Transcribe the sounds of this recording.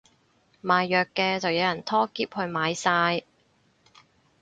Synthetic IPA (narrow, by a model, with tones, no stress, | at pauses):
maː˨jːœː˨kːɛː˧t͡sɐ˨wjɐ˨˧wjɐ˨˩nt̪ʰɔː˥kiː˥p̚hɵ˧ɥmaː˨˧jsaː˧j